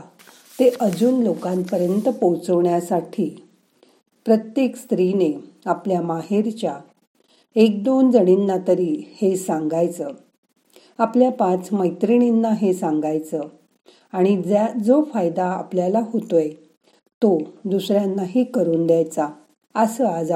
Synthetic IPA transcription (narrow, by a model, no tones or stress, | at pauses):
t̪eʔəd͡zuːnlokãnt̪pəɾjənt̪əpəwt͡səʋɳjasaʈʰiː | pɾət̪jekst̪ɾineapljamaɦiɾt͡ɕja | ek̚d̪ond͡zəɽ̃inːat̪əɾiːhesãŋɡajt͡səː | apljapãt͡sməjt̪ɾiɳ̃inːaɦesãŋɡajt͡sə | aɽ̃id͡zad͡zofajd̪aa̰pljalaɦot̪oe | t̪od̪usɾjanːaɦiːkəɾuːnd̪jajt͡sa | əsəad͡za